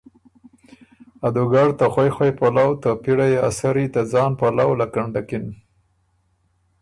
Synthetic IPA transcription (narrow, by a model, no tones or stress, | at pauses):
ad̪uɡaɽt̪axwajxwajpalawt̪apiɽajea̰saɾit̪ad͡zɑnpalawlakaɳɖakɪn